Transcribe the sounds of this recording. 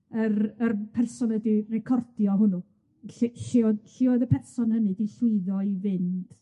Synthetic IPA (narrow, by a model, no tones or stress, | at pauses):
ərərpʰɛrsɔnədirɛkʰɔrd̥jɔɦʊnu | ɬɬɪɔðɬɪɔðəpʰɛrsɔnhənɨdiɬʊɨðɔivɪnd̥